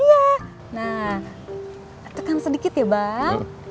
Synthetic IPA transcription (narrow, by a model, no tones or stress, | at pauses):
ija | na | t̪əkansədikɪt̪jabaŋ